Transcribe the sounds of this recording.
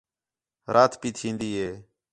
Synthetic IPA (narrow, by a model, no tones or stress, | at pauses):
ɾʔaːt̪ʰpiːt̪ʰĩːnd̪iːɦeː